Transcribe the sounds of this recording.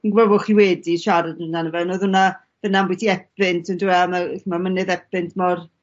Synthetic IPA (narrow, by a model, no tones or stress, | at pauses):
inɡvəvʊχiwɛːdiʃaɾadənanəvɛnoːðʊna | vənanmbwitʰiɛp̚ɪntʰɔnduɛmaθmamənɨðɛpɨntʰmɔr